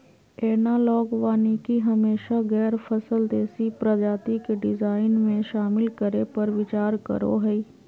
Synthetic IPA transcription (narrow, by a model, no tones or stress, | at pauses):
eːnaːlɔːɡʋaːnikiɦəmeːʃaɡɛːɾfʰəsəld̪eːsipɾəd͡ʒaːt̪ɪkɖɪzaːɪnmẽʃaːmɪlkəɾepɐɾʋɪt͡ʃaːɾkə̰ɾo̰ɦɛiː